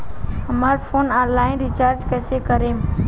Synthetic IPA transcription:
ɦəmaːɾpʰoːnãːlaːɪnɾit͡ʃaːɾd͡ʒkɛːsekəɾeːm

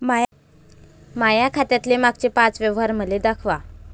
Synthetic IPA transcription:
maja | majakʰat̪jat̪lemaɡ̚t͡ɕepãt͡sʋjeʋɦaɾm̤əled̪akʰʋa

